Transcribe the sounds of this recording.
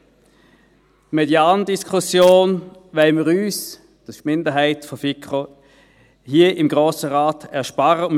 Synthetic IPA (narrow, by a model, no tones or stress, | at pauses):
tmedjaːndiskʰusjoːnvɛɪməʁyːs | d̥ɑskmɪndəɦaɪtfɔfɪkχo | hiɐʔɪmɡʁoːsəʁaːtɛɐʃpaʁə